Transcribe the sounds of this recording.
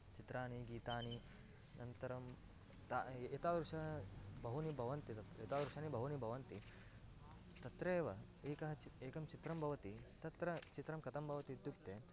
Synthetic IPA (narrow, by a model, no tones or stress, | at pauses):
t͡ʃit̪ɾaːniɡiːt̪aːni | nʔɐnt̪ɐɾɐm | t̪aːet̪aːd̪ɾuʂɐɦɐbɐɦunibʱɐʋɐnt̪it̪ɐjet̪aːd̪ɾuʂaːnibʱɐɦunibʱɐʋɐnt̪i | t̪ɐt̪ɾeːʋɐ | eːkɐɦɐt͡ʃieːkɐmt͡ʃit̪ɾɐmbʱɐʋɐt̪i | t̪ɐt̪ɾɐt͡ʃit̪ɾɐmkɐt̪ɐmbʱɐʋɐt̪id̪jukt̪e